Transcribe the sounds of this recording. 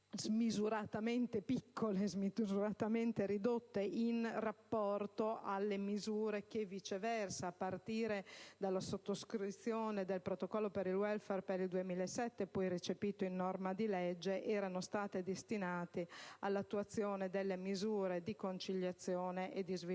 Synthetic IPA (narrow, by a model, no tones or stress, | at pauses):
zmizuɾat̪amɛnt̪epikːolezmizuɾat̪amɛnt̪eɾid̪ot̪ːeʔinrapːɔrt̪oʔalːemizuːɾek̟evit͡ʃevɛrsaːpːart̪iːɾed̪alːasot̪ːoskɾit̪sːjoːned̪elpɾot̪okɔlːopeɾilwɛlfɛrpeɾild̪uemiːlasːɛt̪ːepɔjrit͡ʃepiːt̪oinːɔrmad̪ilɛd͡ʒːeʔɛːɾanost̪aːt̪ed̪est̪inaːt̪ealːat̪ːuat̪sːjoːned̪elːemizuːɾed̪ikont͡ʃiʎːjat̪sːjoːneʔed̪izvi